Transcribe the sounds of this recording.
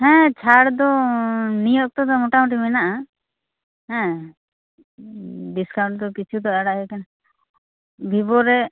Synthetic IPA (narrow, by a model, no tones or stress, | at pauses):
hɛ̃t͡ʃʰaɽd̪ɔnijɔk̚t̪ɔd̪ɔmɔʈamʈimɛnaʔa | ɦɛ̃ | ɖiskaw̃ɳʈd̪ɔkit͡ʃʰud̪ɔaɽaʔɦɛkana | bʱibɔɾɛ